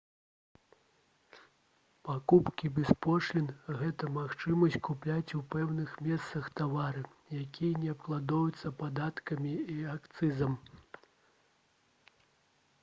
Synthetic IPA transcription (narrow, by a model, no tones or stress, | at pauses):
pakupkʲibʲɛspɔʂlʲinɣɛt̪ɐmaxt͡ʂɨmɐsʲt͡sʲkuplʲat͡sʲupɛwnɨxmʲɛst̪sɐxt̪avaɾɨ | jakʲijɐnʲɛɐpklˠad̪ɔjut̪sːɐpad̪at̪kɐmʲiiakt̪sɨzɐm